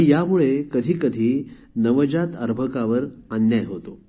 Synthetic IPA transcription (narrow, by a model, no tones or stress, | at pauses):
jamuɭekəd̪ʱiːkəd̪ʱiː | nəʋəd͡ʑat̪əɾbʱəkaʋəɾənjajɦot̪o